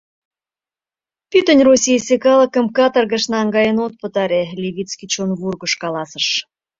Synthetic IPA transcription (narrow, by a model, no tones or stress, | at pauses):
pyt̪ə̆nʲrosʲijsʲekɑlə̆kə̆mkɑt̪ərɣə̆ʃnɑŋɡɑjənot̪̚pə̆t̪ɑɾelʲeβit͡skit͡ɕonβurɣə̆ʃkɑlɑsə̆ʃ